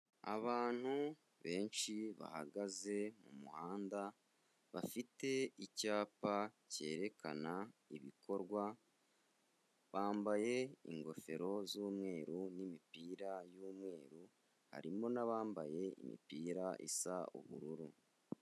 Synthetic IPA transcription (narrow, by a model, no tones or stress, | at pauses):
a̰βaːn̥hu | βe̞ːnʃiβa̰haɡaze̞mumuhaːnda | βa̰fite̞icaːpace̞ːɾe̞kʰa̰naiβikʰo̞ɾɡwa | βaːmbaje̞ḭŋɡo̞fe̞ɾo̞zuːmŋe̞ːɾunimipiːɾajuːmŋe̞ːɾu | ha̰ɾimo̞naβaːmbaje̞ḭmḭpiːɾaʔḭsaṵβṵɾuɾu